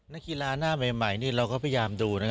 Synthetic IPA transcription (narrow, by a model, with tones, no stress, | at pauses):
na˦˥ki˧laː˧naː˥˩meː˧ma˨˩˦jniː˥˩ɾa˧wkɔː˥˩pʰa˧ja˧jaː˧mduː˧na˦˥k